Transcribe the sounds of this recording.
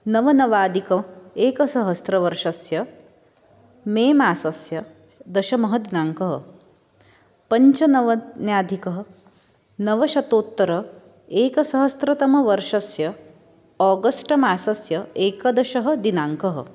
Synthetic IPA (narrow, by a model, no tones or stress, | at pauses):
nɐʋɐnɐʋaːd̪ikɐeːkɐsɐɦɐst̪ɾɐʋɐɾʂɐsjɐ | meːmaːsɐsjɐ | d̪ɐʃɐmɐɦɐd̪inaːŋkɐɦɐ̰̆ | pɐɲt͡ʃɐnɐʋɐnjaːd̪ʱikɐɦɐ̆ | nɐʋɐʃɐt̪oːt̪ːɐɾɐ | eːkɐsɐɦɐst̪ɾɐt̪ɐmɐʋɐɾʂɐsjɐ | ɔːɡɐsʈɐmaːsɐsjɐeːkɐd̪ɐʃɐɦɐ̆d̪inaːŋkɐɦɐ̰